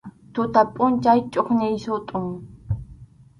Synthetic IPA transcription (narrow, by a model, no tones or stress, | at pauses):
t̪ʊt̪apʼʊnt͡ʃajt͡ʃʼoχnɪjsʊt̪ʼʊŋ